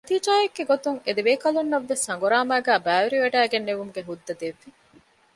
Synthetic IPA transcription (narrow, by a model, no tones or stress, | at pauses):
nɐt̪iːd͡ʒaːjeɡːeɡot̪uŋed̪eʋeːkɐlunːɐʋːesɐŋɡuɾaːmæːɡæːbæːʋeɾiʋeɖæːɡenːeʋumuɡeɦud̪ːɐd̪eʋːi